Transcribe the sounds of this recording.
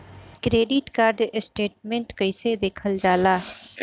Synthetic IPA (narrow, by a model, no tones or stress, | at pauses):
kɾeːɖɪʈkaːɾɖsʈeːʈmẽɳʈkəɪsed̪eːkʰəld͡ʒaːlaː